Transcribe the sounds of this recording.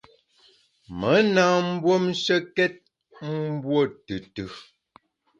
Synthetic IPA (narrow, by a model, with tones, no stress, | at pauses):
mə˨˦na˨m̩˦bwo˦mʃə˦kɛ˦t̚ | m̩˦bwo˦˨tɨ˨tʉ˨